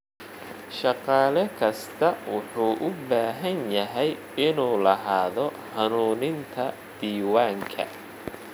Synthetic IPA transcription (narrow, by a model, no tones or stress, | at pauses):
ʃɑqɑːlɛkʰɐst̪ʰɐwʊħuːʔʊbaːɦɐnjɐɦɛj | ɪnuːlɐɦaːðɔ | hɐnuːnɪnt̪ʰɐ | d̪̥iːwaːŋkʰɐ̰